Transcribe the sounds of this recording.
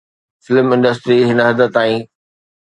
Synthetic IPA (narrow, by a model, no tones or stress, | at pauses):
fɪlmɪ̃ɳɖəsʈɾiɦɪnəɦɐd̪ə̆t̪ːaːĩː